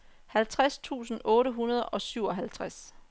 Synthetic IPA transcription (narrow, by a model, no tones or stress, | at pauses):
hælt͡sʰʁast͡sʰṵːsn̩ʔɔ̽ːɾəɦunɐð̞ˠɒ̽syʊɒ̽ɦælt͡sʰʁas